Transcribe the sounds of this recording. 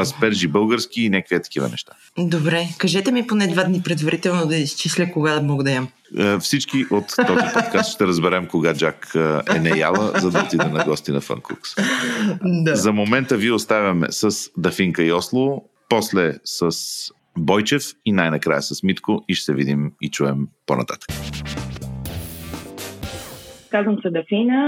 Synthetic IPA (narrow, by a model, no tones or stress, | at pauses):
ɐspɛɾʒibɤlˠɡəɾsk̟iːnʲakviɐt̪ɐ̥k̟ivə̰nɛ̰ʃt̪ḁ | d̪obɾɛkɐʒɛt̪ɛmiponɛd̪vad̪nipɾɛd̪vɐɾit̪ɛlˠnod̪ɐist͡ʃislʲəkoɡad̪ɐmɔɡəd̪ɐjam | fsit͡ʃkiʔot̪ːɔzipɔt̪kast̪ʃt̪ɛɾəzbɛɾɛmkoɡad͡ʒakɛ̰nɛja̰lˠəzɐd̪ɐot̪id̪ɛnɐɡɔst̪inɐ̰fə̰ŋkṵks | zɐmomɛnt̪əviɛost̪avʲɐmɛ̰səsd̪ɐfiŋkəiɔslˠo | pɔslɛsəs | bɔjt͡ʃɛfinajnɐkɾa̰jəsəsmit̪kʊiʃt̪ɛvid̪imit͡ʃuɛmpo̰nɐ̰t̪a̰t̪ə̥kə̥ | kazvəmsɛd̪ɐfinə